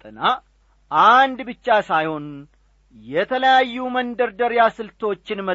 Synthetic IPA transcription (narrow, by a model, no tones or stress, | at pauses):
t̪ʼɨna | ʔand̪bɨt͡ʃːasajho̞n | jɛt̪ʰələjajːumənd̪əɾd̪əɾjasɨlt̪ʰo̞t͡ʃːɪnmə